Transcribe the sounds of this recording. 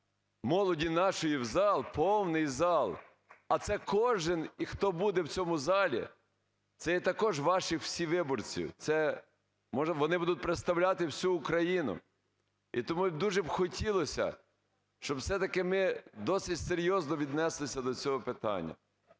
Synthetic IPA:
mɔlˠɔdʲinɑʃɔjiwzɑlˠpɔwnɪjzɑlˠ | ɐt̪sɛkɔʒɪnixt̪ɔbud̪ɛwt͡sʲɔmʊzɑlʲḭ | t̪sɛjɛt̪ɐkɔʒʋɑʃɪxw̥sʲiʋɪbɔrt͡sʲḭwt̪sɛ | mɔʋɔnɪbud̪ʊt̚ʲpɾet̪st̪ɐwlʲat̪ɪwsʲuːkɾɐjinʊ̰ | ḭt̪ɔmud̪uʒɛbxɔtʲilˠɔsʲɐ̰ | ʃt͡ʃɔbwsɛt̪ɐkɪmɪd̪ɔsɪtʲseɾʲjɔznɔʋʲid̪nɛslˠɪsʲɐd̪ɔt͡sʲɔɦɔpɪt̪ɑ̰nʲːɐ̰

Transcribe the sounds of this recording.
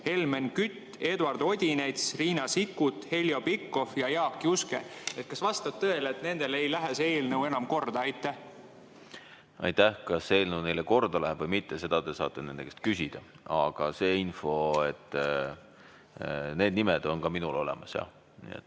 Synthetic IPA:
he̞lmenkyt̪ːˑe̞d̪uɑrd̪̥o̞d̪ʲinet̪sriːnɑsikːut̪he̞ljo̞pikːo̞fjɑjɑːkːiuske̞̰e̞t̪̚kɑsvɑst̪ɑb̥̚t̪ɤe̞leet̪ne̞nd̪̥e̞lejlæɦese̞ːlnəwe̞nɑmko̞rd̪ɑɑjt̪ːˑæh | ɑ̰jt̪ːæhkɑse̞ːlnəne̞jleko̞rd̪̥ɑlæɦeb̥vɤjmit̪ːe̞se̞d̪ɑd̪̥e̞sɑ̰ːt̪ˑːene̞nd̪ekest̪̚kysʲid̪̥ɑ | ɑɡ̥ɑse̞ːinfo̞et̪ːˑ | ne̞ːd̪nimeɛd̪̥o̞nkɑminulo̞̰le̞̰mɑsjɑ̰ | nḭḛt̪ː

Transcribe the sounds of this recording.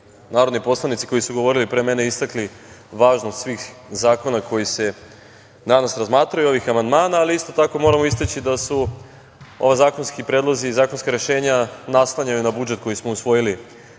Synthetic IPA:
naːɾo̞d̪nipo̞slˠanit̪si̥ko̞jisuɡo̞ʋo̞ɾilipɾe̞ːme̞ne̞ist̪akli | ʋaːʒnost̪sʋiːxzaːko̞nako̞jise̞ | nanasɾazmaːt̪ɾajuo̞ʋixamand̪maːnaːliist̪o̞t̪ako̞mo̞ɾamois̬t̪et͡ɕid̪asu | o̞̰ʋazaːko̞nskipɾed̪lˠo̞ziːzaːko̞nskaɾe̞ʃe̞ːɲanaslˠaɲajunabud͡ʒet̪̚ko̞jismo̞usʋo̞jili

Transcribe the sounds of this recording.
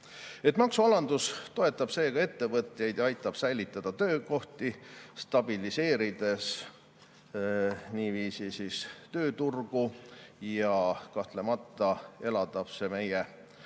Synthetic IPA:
e̞t̪ːmɑksuɑlɑnd̪ust̪o̞e̞t̪ːˑɑb̥se̞ːɡ̥ɑe̞t̪ːe̞vɤt̪jɑjd̪jɑɑjt̪ːˑɑb̥sæjlit̪ˑːɑd̪̥ɑt̪ø̞ːko̞ht̪ist̪ɑb̥ilise̞ːɾid̪̥e̞s | niːviːsisist̪ø̞ːt̪urɡ̥ujɑkɑht̪le̞mɑt̪ːˑɑe̞lɑd̪̥ɑb̥se̞me̞je

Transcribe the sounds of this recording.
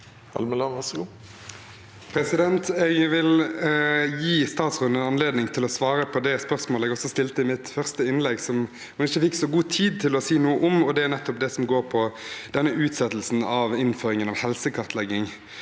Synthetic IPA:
ɑ̰lməlɑnʋæsɡuː | pʰɾɛsɪd̪ɛnt̪ɛɡʋɪl | jiːst̪ɑːt̪sʁʉnd̪ənɑnleːd̪nɪŋt̪ʰɪlɔsʋɑːɾəpʰɔd̪ɛspœʁsmoːlɛɡɔsːɔst̪ɪlt̪əɪmɪt̪fœʁst̪əɪnlɛɡsɔm | hʊnɪçːəfɪkːsɔɡuːt̪ʰiːd̪̚t̪ʰɪlɔsiːnuːəʔɔmɔd̪ɛæʁnɛt̪ːɔp̚d̪ɛsɔmɡoːʁpʰɔd̪̥ɛnːəʉːt̪sɛt̪əlsn̩ɑʋɪnføːɾɪŋənɑʋhɛlsəkʰɑʁt̪lɛɡːɪŋ

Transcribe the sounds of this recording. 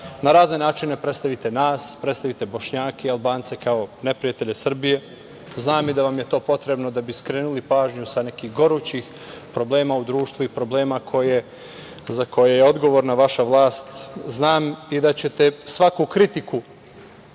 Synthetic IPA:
naɾaːzne̞naːt͡ʃine̞pɾet̪st̪aʋit̪e̞naːspɾet̪st̪aʋit̪e̞bo̞ʃɲaːkeialbaːnt̪se̞kao̞ne̞pɾijat̪e̞ʎe̞sr̩bije̞ | znaːmid̪aʋamje̞t̪o̞ːpo̞t̪ɾe̞bno̞d̪abiskɾeːnulipaːʒɲusane̞kiɣɡo̞ɾut͡ɕix | pɾo̞ble̞ːmaud̪ɾuːʃt̪ʋuipɾo̞ble̞ːmakʰo̞je̞ | zako̞jejeo̞d̪ɡo̞ʋoɾnaʋaʃaʋlˠaːst̪znaːmid̪at͡ɕe̞t̪e̞sʋakukɾit̪iku

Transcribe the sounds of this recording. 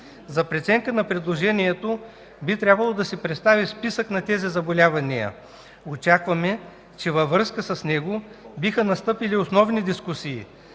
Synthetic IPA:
zɐpɾɛt̪sɛŋkənɐpɾɛd̪lˠoʒɛniɛt̪o | bit̪ɾʲjabvɐlˠod̪ɐsɛpɾɛt̪st̪avispisəknɐt̪ɛzizɐbolʲavɐniə̰ | ot͡ʃakvɐmɛ | t͡ʃɛvɐvːɾɤskəsɐsnɛɡobixənɐst̪ɤpiliosnɔvnid̪iskusiː

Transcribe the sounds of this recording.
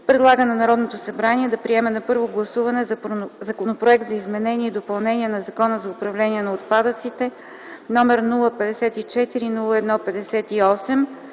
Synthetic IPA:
pɾɛd̪lˠaɡənɐnɐɾɔd̪not̪osɐbɾaniɛd̪ɐpɾiɛmɛnɐpɤɾvoɡlˠɐsuvɐnɛzzɐkonopɾoɛk̚t̪zɐizmɛnɛnʲiɛid̪opɐlˠnɛniɛnɐzɐkɔnəzɐʊpɾɐvlɛniɛnɐot̪pad̪ət̪sit̪ɛ | nɔmɛɾnulˠəpɛd̪ɛsɛt̪it͡ʃɛt̪iɾinulˠəɛd̪nɔpɛd̪ɛsɛt̪iɔsɛm

